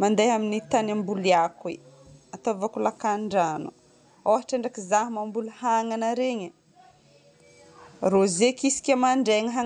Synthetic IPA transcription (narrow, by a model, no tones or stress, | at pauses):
mand̪ajɦaminit̪anambuliakweat̪ovakulakaɳɖ͡ʐanu | owɦaʈ͡ʂaɳɖ͡ʐakizaɦmambuluhaŋanəɾeɲə | rozekisi̥kʲəmaɳɖ͡ʐeŋəɦa